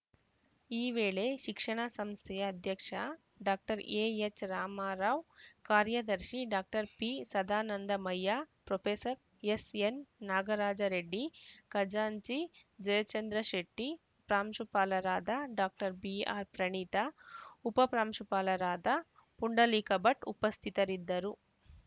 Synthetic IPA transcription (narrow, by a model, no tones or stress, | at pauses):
iːʋeːɭeʃikʂɐɳɐsɐmst̪ʰɛjɐːd̪ʱjɐkʂɐ | ɖaːk̚ʈɐɾeːet͡ʃɾaːmaːɾaːʋkaːɾjɐd̪ɐɾʃiɖaːk̚ʈɐɾpisɐd̪aːnɐnd̪ɐmɐjːaːpɾopʰeːsɐɾ | esenːaːɡɐɾaːd͡ʒɐɾeɖːikɐd͡ʒaːɲt͡ʃid͡ʒɐjɐt͡ʃɐnd̪ɾɐʃeʈːi | pɾaːmʂupaːlɐɾaːd̪ʱaɖaːk̚ʈɐɾbia̰ːɾpɾɐɳiːt̪ɐupɐpɾaːmʂupaːlɐɾaːd̪ʱa | puɳɖɐlikɐbɐʈṵpɐst̪ʰit̪ɐɾid̪ːɐɾu